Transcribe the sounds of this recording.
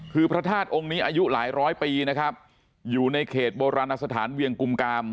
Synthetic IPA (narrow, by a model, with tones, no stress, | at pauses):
kʰɯː˧pʰɾa˦˥t̪ʰaː˥˩t̪̚ʔo˧ŋniː˦˥ʔaː˧ju˦˥laː˩˦jɾɔː˦˥jpiː˧na˦˥kʰɾa˦˥p̚ | juː˨˩na˧jkʰeː˨˩t̪̚boː˧ɾaː˧nʔa˧sa˧t̪ʰaː˩˦nwi˧əŋku˧mkaː˧m